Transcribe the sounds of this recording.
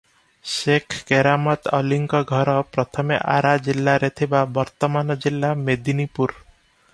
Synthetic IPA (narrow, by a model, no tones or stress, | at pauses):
ʃekʰkeɾamɔt̪ɔliŋkɔɡʱɔɾɔpɾɔt̪ʰɔmeʔaɾad͡ʒilːaɾet̪ʰibabɔɾt̪ɔmanɔd͡ʒilːamed̪inipuɾ